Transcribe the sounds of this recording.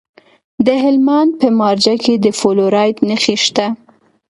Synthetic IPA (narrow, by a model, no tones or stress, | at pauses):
d̪əɦɪlmɑnd̪̚pəmɑɾd͡ʒaked̪əfoloɾɑjt̪nəxiʃt̪a